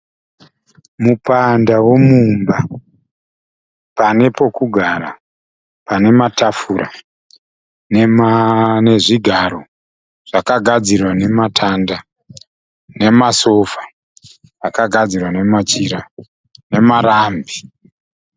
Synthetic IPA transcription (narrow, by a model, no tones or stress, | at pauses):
mupandawe̞mumba | pane̞po̞kuɡʱaɾa | pane̞matafuɾa̰ | nemne̞ʐiɡʱaɾo̞ | ʐ̥akaɡʱad͡zirwane̞matʰanda | ne̞maso̞fḁ | akaɡʱad͡zirwane̞mat͡ʃiɾa | ne̞maɾaːmbi